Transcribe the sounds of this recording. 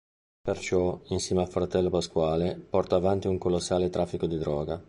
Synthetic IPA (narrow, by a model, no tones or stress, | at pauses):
pert͡ʃɔinsjɛːmealfɾat̪ɛlːopaskwaːlepɔrt̪aːvant̪iuŋkolosːaːlet̪ɾʔafːikod̪id̪ɾɔːɡa